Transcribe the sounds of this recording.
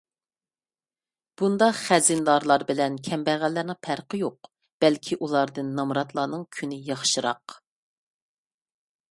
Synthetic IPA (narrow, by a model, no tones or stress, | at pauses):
b̥und̪ɑχæzinɨd̪ɑɾlˠɑɾbɪlɛnkʲʰɛmbæʁælːæɾnɨŋpʰæɾqəjoq̚ | b̥ɛlkʲʰiʔulˠɑɾd̪ɨnːɑmɾɑt̪ʰlˠɑːnɨŋkʲʰynɪjɑχʃɨɾɑ̰q